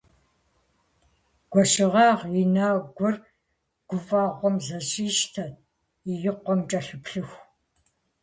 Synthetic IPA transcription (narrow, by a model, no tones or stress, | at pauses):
ɡ̥ʷɔʃɪʁɑːʁinaːɡʷɔr | ɡ̥ʷʊfaːʁʷɔmzɐɕʼiːʃtʰɐ | ijɪqʷɔmt͡ʃʼɐɬɨpɬɨxʷ